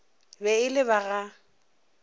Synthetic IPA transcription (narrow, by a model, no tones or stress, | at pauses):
bɛɪlɪβaɣa